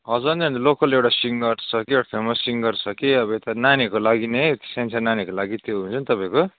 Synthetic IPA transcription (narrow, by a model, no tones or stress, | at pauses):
ʌd͡zʌnd̪eʌ̃nd̪lokʌlewʈasiŋɡʌrt͡sʰʌkieʈapʰemʌsiŋɡʌrt͡sʰʌkiʌbʌet̪ananekolaɡinet̪i̥sent͡sʰananekolaɡit̪joɦunt͡sʰʌnit̪ʌpãĩko